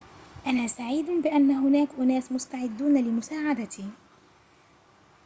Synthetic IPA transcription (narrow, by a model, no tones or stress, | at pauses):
ʔanaːsaʕiːd̪bɪʔanːaɦʊnaːkʔʊnaːsmʊst̪aʕɪd̪ːuːnalɪmʊsaːʕad̪at̪ʰiː